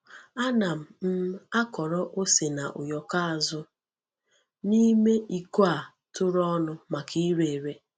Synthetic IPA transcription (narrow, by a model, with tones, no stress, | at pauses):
a˦na˨m̩˨m̩˦a˦kɔ˨ɾɔ˦ʔo˦se˨na˨ʔʊ̰˨jɔ˨ka˦a˨zʊ˦ | ni˦me˦ʔi˦ku˦a˨ | tʊ˦ɾɔ˦nʊ˦ma˨kʰi˦ɾe˨ɾe˦